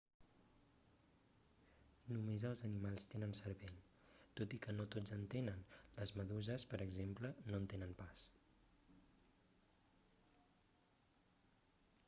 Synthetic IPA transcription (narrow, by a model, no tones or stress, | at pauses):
numezəlˠzənimalˠst̪enənsəɾβeʎ | t̪ot̪ikənot̪od͡zənt̪enənləzməðuzəspəɾəɡzemplənoənt̪enənpas